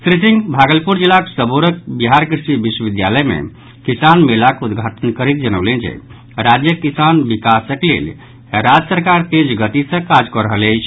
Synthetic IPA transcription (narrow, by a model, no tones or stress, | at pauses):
t̪ɾisiŋɡbʱaɡəlpuɾd͡ʒilaksəboɾək̚biɦaɾkɾisibiswəbid̪ja̰ləjmḛ | kisanmelakud̪ɡʱaʈʰənkəɾit̪̚d͡ʒənəwlend͡ʒḛ | ɾad͡ʒjəkisanbikasəklḛl | ɾad͡ʒəsəɾkaɾt̪ed͡ʒɡət̪isə̃kad͡ʒkɔɾəɦələt͡ʃʰ